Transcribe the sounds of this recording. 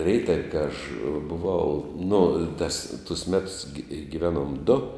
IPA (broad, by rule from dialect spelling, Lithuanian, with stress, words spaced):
ˈrʲɛɪtɐw kɐ ɐʃ bʊˈʋɐʊ nʊ tɐs tʊs ˈmʲæːtʊs ɡʲɪ ɡʲɪˈʋʲæːnuɔm dʊ